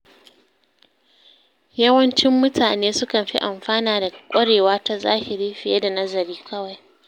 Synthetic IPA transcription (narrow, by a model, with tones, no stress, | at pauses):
jɐ˦wɐ˦nt͡ʃɪ˦mːʊ˦tʰaː˨neː˦sʊ˦kɐ˨nɸḭ˦ʔa˨mɸaː˦naː˨da˨kʷʼɐ˦ɽeː˨waː˦ta˦za̰ː˦hi˨ɽi˦ɸɪ˨je˦da˨nɐ˦zɐ˨ɾiː˦kʰɐ˦wa˨j